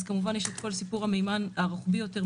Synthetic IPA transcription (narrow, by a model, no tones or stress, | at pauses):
zkamuvanjeʃetko̞lsipuʁhamejmanaʁuχbijo̞te̞ʁ